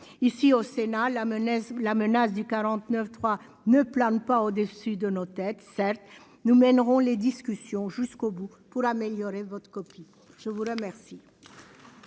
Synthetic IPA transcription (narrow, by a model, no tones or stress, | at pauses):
isiosenallamənasd̪ykaʁɑ̃t̪nœft̪χwa | nəplɑ̃npaod̪əsyd̪ənot̪ɛt̪sɛʁt̪ | numɛnʁɔ̃led̪iskʲysjɔ̃ʒyskobu | puʁameljɔʁevɔt̪χə̥kɔpi | ʒ̥əvuʁəmɛʁsi